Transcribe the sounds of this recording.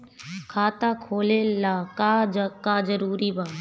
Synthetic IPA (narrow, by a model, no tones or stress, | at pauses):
kʰaːt̪aːkʰoːleːlaːkaːkaːd͡ʒəɾuːɾibaː